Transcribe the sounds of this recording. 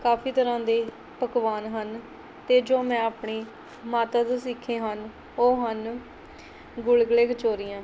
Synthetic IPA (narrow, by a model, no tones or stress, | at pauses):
kaːfiːt̪əɾãːd̪eː | pəkʋaːnɦən | t̪eːd͡ʒoːmɛ̃ːaːpɳiː | maːt̪aːd̪oːsikʰẽːɦən | oːɦən | ɡʊlɡleːɡt͡ʃoːɾɪːãː